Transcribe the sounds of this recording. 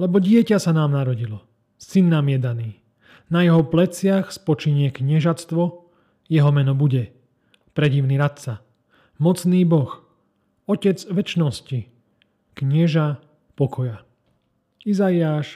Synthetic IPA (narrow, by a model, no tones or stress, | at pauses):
lɛbɔɟɪɛcasanaːmnaɾɔɟilɔ | sinːamɪɛd̪aniː | najɛɦɔplɛt͡sɪaxspɔt͡ʃiɲɪɛkɲɛʒat͡st̪ʋɔ | jɛɦɔmɛnɔbuɟɛ | pɾɛɟiʊniɾat̪t͡sa | mɔt͡sniːbɔx | ɔcɛd͡zʋɛt͡ʃnɔsci | kɲɛʒa | pɔkʰɔja | izaiaːʃ